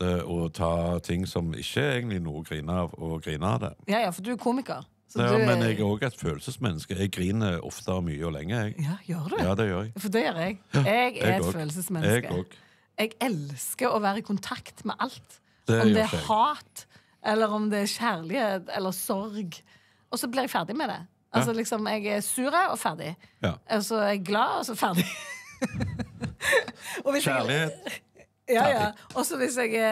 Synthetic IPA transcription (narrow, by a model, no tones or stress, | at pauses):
ɔt̪ʰɑːt̪ʰɪŋːsɔmɪ̰çːəæeɪɡənt̪lɪnṵːəɡɾiːnəɑʋɔɡɾiːnɑɑ̰d̪ɛ̰jɑːjɑːfɔd̪ʉɛɾkʰuːmɪkəɾ | sɔd̪mɛnɛɡæɾoːɡɛɪt̪føːlsəsmɛnːəskəɛɡɾiːnəɾɔ̰ft̪əmyːəɔlɛ̰ŋːəɛɡjɑːjøːɾd̪ɛjɑːd̪ɛjøːɾɛɡfɔd̪ɛjøːʁɛɡɛɡæɾɛt̪ːføːls̬əsmɛnːɛɡə̰oːɡ | ɛɡɛlskəɾɔʋæːɾəɪkʰʊnt̪ʰɑkt̪mɛ̰ʔɑlt̪ | ɔmd̪ɛæɾhɑːt̪ | ʔɛlːəɾɔmd̪ɛːʃæʁlɪheːt̪ɛ̰lːəɾsɔɾɡ | ʔɔsɔblɪɾɛɡfæʁd̪ɪmɛd̪ɛ̰ | ʔɑls̬ɔlɪksɔmɛɡɛɾsʉːɾəɔfæʁd̪ɪ̰ɔsɔɛɡːlɑːɔsɔfæʁd̪ɪ | ɔʋɪs | jɑːjɑɔsɔʋɪsɛɡɛ